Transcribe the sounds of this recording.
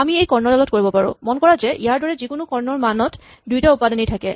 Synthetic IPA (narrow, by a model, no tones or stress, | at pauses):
amiejkɔɹnɔɹalɔt̚koɹibɔpaɹʊ̰̃mɔnkɔɹazɛʔijaɹdɔɹɛzikʊnʊkɔɹnɔɹmanɔt | dujtaupadɔnejtʰakɛ̰